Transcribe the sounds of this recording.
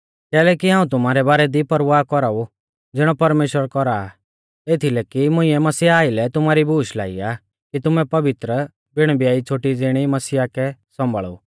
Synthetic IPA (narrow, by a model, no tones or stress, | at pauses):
kɛːlɛkiɦãːũt̪̬ʊm̤aːɾɛbaːɾɛd̪ipɐɾʋaːkɔɾau | d͡zɪɽ̃ɔpɐɾmeːʃəɾkɔɾa | et̪ʰilɛkimʊ̃ɪ̃ɛmɐsiaaːɪlɛt̪ʊmaːɾibuːʃla̰ːḭa | kit̪ʊmɛpɐʋɪt̪ɾə | bɪɽ̃bijaːit͡sʰoːʈid͡zɪɽ̃imɐsijakɛsɔ̃mbʱə̰ɭṵ